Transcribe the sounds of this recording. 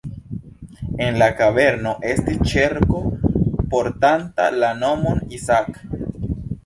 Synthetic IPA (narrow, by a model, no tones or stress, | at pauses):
e̞nlakaβe̞ɾno̞ʔe̞stit͡ʃeɾkopoɾtanta̰lano̞monisak